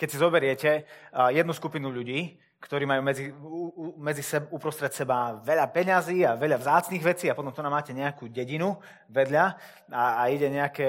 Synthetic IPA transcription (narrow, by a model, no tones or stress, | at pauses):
kɛcsizɔbɛɾɪɛcɛjɛd̪nuskupinuʎuɟiː | kt̪ɔɾiːmajuːmɛd͡zi | mɛd͡zisɛbupɾɔst̪ɾɛt̪sɛbaʋɛʎapɛɲaziːaʋɛʎavzaːt͡sniːɣʋɛt͡siːapɔt̪ɔmt̪ɔnamaːcɛɲɛakuːɟɛɟinu | ʋɛd̪ʎa | aːiɟɛɲɛakɛː